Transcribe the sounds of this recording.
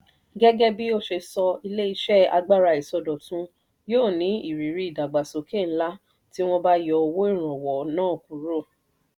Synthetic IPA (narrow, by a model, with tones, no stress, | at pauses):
ɡɛ˦ɡɛ˦bi˦o˦˨ʃe˧sɔ˧i˧le˦i˧ʃɛ˦˨a̰˧ɡ͡ba˦˨ɾa˧i˨sɔ˧dɔ˨tũ˦ | joː˦˨nĩ˨˦i˨ɾi˨ɾi˨˦i˨da˨ɡ͡ba˨so˨ke˦˨n̩˦la˦ | ti˦w̃ɔ̃˧ba˦jɔ˧o˧wo˦i˦˨ɾ̃ɔ̃˨wɔ˨nãː˦˨kũ˨ɾo˦˨